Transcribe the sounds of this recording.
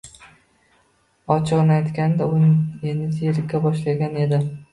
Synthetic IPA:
ɒt͡ʃʰɒʁnajt̪kʲand̪aonjenɪt̪ʰeɾɪabɒʃlaɡʲane̞d̪ɪ

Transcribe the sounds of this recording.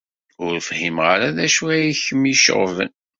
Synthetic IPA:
ʊɾfhimʁaɾaðæʃuæjiçəmiʃə̰ʁvə̰n

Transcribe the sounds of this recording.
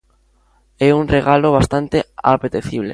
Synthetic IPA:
ɛuŋreɣaloβ̞ast̪ant̪eapet̪eθiβlḛ

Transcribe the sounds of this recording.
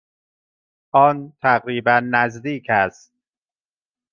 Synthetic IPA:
ʔɒːnt̪ʰæɣɾiːbænːæzd̪iːcʰæst̪̚

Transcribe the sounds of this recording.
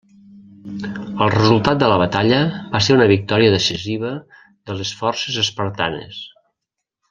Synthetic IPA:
əlˠrəzulˠt̪at̪̚d̪ələβ̞ət̪aʎəβaseɾunəβik̚t̪ɔɾiəðəsiziβə | ðələsfɔrsezəspəɾt̪a̰nḛs

